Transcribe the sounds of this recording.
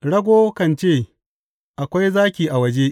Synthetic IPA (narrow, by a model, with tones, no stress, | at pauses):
ɽɐ˦ɡʷoː˦kɐ˦˨nt͡ʃeː˦˨ | ʔa˨kʷa˦jzaː˦kʲiː˨ʔa˨wɐ˦d͡ʒeː˦ʔ